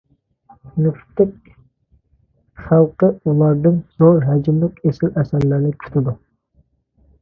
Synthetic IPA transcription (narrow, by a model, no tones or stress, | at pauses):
nuft̪ʰːɪk̚ʲ | χælˠqəulˠɑɾd̪ɨnz̥oɾɦɛd͡ʒimlɪkʲesɪlɛsæɾlæɾnɪkʲʰy̥t̪ʰɪd̪u